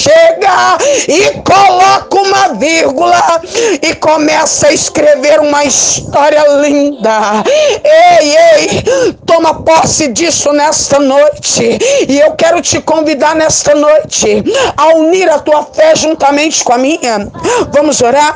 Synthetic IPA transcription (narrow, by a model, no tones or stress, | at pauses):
ʃeɡɐɪkolɔkũmɐviɾɡulɐɪkomɛsɐɐɪskɾeveɾũmɐist̪ɔɾiɐlĩnd̪ɐ | ejejt̪õmɐpɔsɪd͡ʒisʊnɛst̪ɐnojt͡ʃɪɪewkɛɾʊt͡ʃɪkõvid̪aɾnɛst̪ɐnojt͡ʃɪauniɾɐt̪uɐfɛʒũt̪ɐmẽnt͡ʃɪ̥kõɐmĩɲɐvɐ̃mʊzoɾaɾ